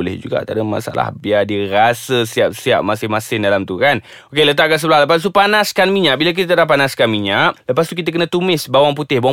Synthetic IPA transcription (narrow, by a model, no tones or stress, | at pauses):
olɛ̰hd͡ʒuɡa̰at̪a̰ɾəma̰sa̰la̰hbiadiɾasəsiap̚siap̚masɪmasɪndalamt̪ukan | okelət̪̬aʔ̚kansəbəlahləpast̪upanaskanmiɲaʔ̚bilak̬it̪ət̪adapːanaskanmiɲaʔ̚ləpast̪uk̬it̪akənə̃t̪umɪsbawaŋp̬ut̪ɪhbawa